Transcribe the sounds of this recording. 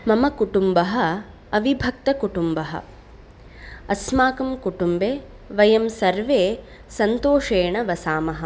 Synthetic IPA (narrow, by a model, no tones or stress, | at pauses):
mɐmɐkuʈumbɐɦɐ̆ | ɐʋibʱɐk̚t̪ɐkuʈumbɐɦɐ̰ | ɐsmaːkɐmkuʈumbeː | ʋɐjɐmsɐɾʋeː | sɐnt̪oːʂeːɳɐʋɐsaːmɐɦɐ̆